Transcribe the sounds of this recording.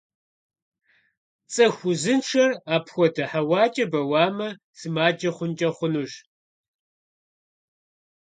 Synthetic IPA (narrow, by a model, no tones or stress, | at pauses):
t͡sʼɐxʷʊzɨnʈ͡ʂʰɐraːpʰxʷɔdɐħawɑːt͡ʃʼɐbɐwaːmɐ | sɨmaːd͡ʒɐχʷʊnt͡ʃʼɐχʷʊnuɕ